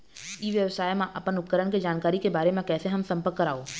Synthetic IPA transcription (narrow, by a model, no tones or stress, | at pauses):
iʋjəʋsaːjmãʔɐpənʊt̪̚kəɾəɽ̃ked͡ʒaːnkaːɾikebaːɾemẽkɛːseɦɐmsɐ̃mpəɾkːəɾaːoː